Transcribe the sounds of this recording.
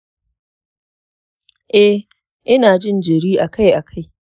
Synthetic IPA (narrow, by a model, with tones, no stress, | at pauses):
ʔɛ˦ | ʔɪ˦naː˨d͡ʒɪ˦nd͡ʒɐ˨ɽiː˦ʔa˨ka˦jʔa˨kʰa˦˨j